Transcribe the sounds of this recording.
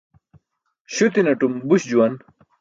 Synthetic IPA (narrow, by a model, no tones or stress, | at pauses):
ɕut̪inɐʈumbuɕd͡ʑuwɐn